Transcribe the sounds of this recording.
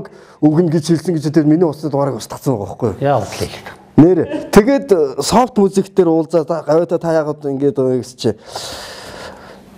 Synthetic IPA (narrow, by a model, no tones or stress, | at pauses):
k | uɣɘ̆nɡet͡ɕxiɮsɘ̆ŋɡet͡ɕʰĕt̪ʰet̪miniːʊsniːt̪aːɾiːkʊst̪ə̥̆t͡sə̆mæʁə̰̆χɡujjaʊt̪ɮiɮ̆ | neːɾet̪ʰeɣeːt̪sɔw̥t̪mut͡siːkt̪eːɾʊːɮt͡saːɢawʊːt̪ʰæːt̪ʰajaːʁəːt̪iŋɡeːt̪ɡest͡ɕʰi